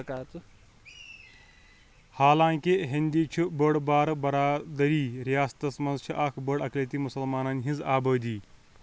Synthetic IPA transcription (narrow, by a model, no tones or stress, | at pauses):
kaːt͡s̪ | haːlaːŋkiɦind̪it͡ʃʰubəɽbaːɾbɐɾaːd̪ɐɾiːɾijaːst̪ɐsmɐnzt͡ʃʰiʔaːkʰbəɽɐkleːt̪imusɐlmaːnɐnɦĩzaːbəːd̪iː